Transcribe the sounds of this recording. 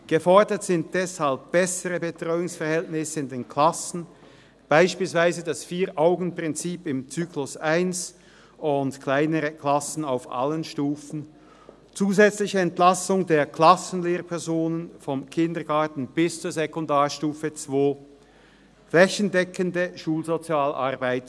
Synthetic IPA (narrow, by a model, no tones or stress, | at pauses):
ɡ̥əfɔɐdətz̥ɪnt̚d̥ɛshalp̚b̥ɛsəʁəbətʁ̥ɔʏʊŋsfɛɐhɛltnɪsəɪndeːnkʰl̥asn̩ | b̥aɪʃpiːlsv̥aɪzədasfiːʔaʊɡn̩pʁ̥ɪnt͡siːpɪmt͡syːklʊsʔaɪns | ʊntkʰl̥aɪnəʁəkʰl̥asn̩aʊfʔa̰lənʃtuːfn̩ | t͡suːzɛt͡slɪçəɛntlasʊŋdeːɐkʰl̥asn̩leːʁpʰɛɐzoːnənfɔmkʰɪndɐɡaːɐtn̩b̥ɪst͡suːɐzekʊndaːɐʃtuːfət͡sv̥oː | flɛçəndɛkʰəndəʃuːlzot͡sjaːlʔa̰ʁbaɪt